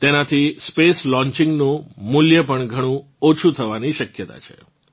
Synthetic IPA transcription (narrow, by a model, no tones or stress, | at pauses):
t̪enat̪ʰispeslɔ̃ɲt͡ʃɪ̃ŋɡnũmʊljəpəɳɡʱəɽ̃ũ | ot͡ʃʰut̪ʰəʋaniʃəkjət̪a̰t͡ʃʰe̥̰